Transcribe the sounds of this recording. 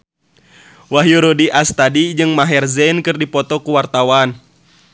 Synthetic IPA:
waɦjuɾodiʔast̪adid͡ʒɨŋmaɦɛrzɛnkɨrdipɔt̪ɔkuwart̪awan

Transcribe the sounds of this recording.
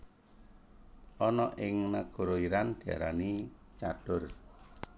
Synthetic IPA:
ʔɔnɔʔɪŋnaɡ̥ɔ̤ɾoiɾand̪̥i̤a̰ɾani | t͡ʃaɖ̥ʊr

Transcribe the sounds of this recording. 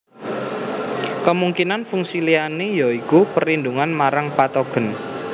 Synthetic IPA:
kəmuŋkinanfuŋsilianejaikupərind̪uŋanmaɾaŋpat̪oɡ̥ə̤n

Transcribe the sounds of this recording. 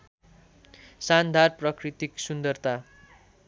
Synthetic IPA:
sand̪ʱarprʌkrit̪iksund̪ʌrt̪a

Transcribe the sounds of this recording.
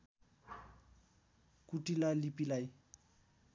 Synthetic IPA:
kuʈilalipilaj

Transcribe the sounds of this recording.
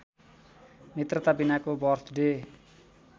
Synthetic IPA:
mit̪rt̪abinakobɔrt̪de

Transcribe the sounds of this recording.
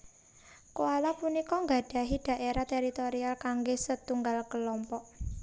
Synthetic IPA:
koalapunikɔŋɡaɖ̥a̤ɦid̥a̤ʔeɾat̪eɾit̪oɾialkaŋɡesət̪uŋɡalkəlɔmpɔʔ

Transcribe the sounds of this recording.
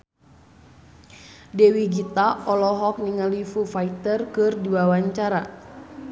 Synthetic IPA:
dɛwiɡit̪aɔlɔɦɔk̚niŋalifufait̪ərkɨrduwawaɲt͡ʃaɾa

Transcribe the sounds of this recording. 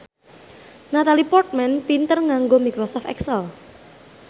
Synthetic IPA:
nat̪alipɔrt̪̚mɛnpint̪ərŋaŋɡomikɾɔsɔft̪ɛ̰ksəl

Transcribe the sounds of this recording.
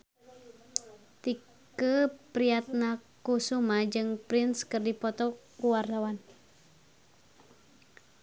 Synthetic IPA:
t̪i | kəpɾiat̪̚nakusumad͡ʒɨŋpɾɪnskɨrdipɔt̪ɔkuwart̪awan

